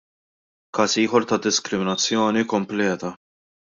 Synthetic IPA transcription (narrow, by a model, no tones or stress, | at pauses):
kɐːsiːħɔɾt̪ɐd̪ɪskɾɪmɪnɐt͡sːjɔːnikɔmplɛːt̪ɐ